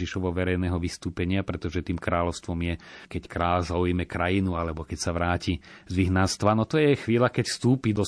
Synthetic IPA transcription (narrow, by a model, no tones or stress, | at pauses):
iʃɔʋɔʋɛɾɛjnɛːɦɔʋist̪uːpɛɲɪapɾɛt̪ɔʒɛt̪iːmkɾaːlɔʊst̪ʋɔmjɛkɛckɾaːlzaujmɛkɾajinualɛbɔkɛcsaʋɾaːcizʋiɦnast̪ʋanɔt̪ɔjɛxʋiːlakɛcfst̪uːpid̪ɔ